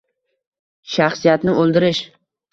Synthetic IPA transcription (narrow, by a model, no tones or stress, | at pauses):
ʃaχsijat̪nɪʔolˠd̪ɪɾɪʃ